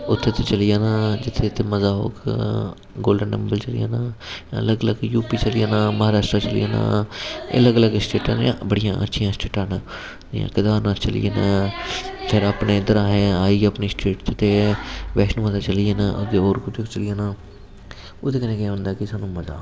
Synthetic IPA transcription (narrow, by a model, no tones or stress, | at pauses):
ʊt̪ʰːeːt̪eːt͡ʃəlɪjaːnãːd͡ʒɪt̪ʰːeːt̪eːməzaːɦo̰ːk | ɡoːlɖənːɛ̰mbəlt͡ʃəlḭja̰ːnãːjã̰ələɡələɡjuːpiːt͡ʃəlɪjãːnãːməɦaːɾaːʃʈɾaːt͡ʃəlḭjaːnã̰ːə̰ləɡələɡsʈeːʈãːnjã̰ːbəɽɪjãːʔə̰tːʃʰijãːsʈeːʈãːnaː | ɪ̰jã̰ːkɪd̪aːɾnaːt͡ʃəlḭjeːnãː | pʰɪɾəpneːd̪əɾãːɦɛ̃aːiːəpniːsʈɾeːʈt͡ʃɪt̪eːʋɛːʃnũːməzaːt͡ʃəlijeːnãːʔʊd̪eːoːɾkʊt̪ʰokt͡ʃəlɪjãːnaː | od̪eːkənẽːkẽːɦʊ̃nd̪aːkɪsaːnũːməza̰ː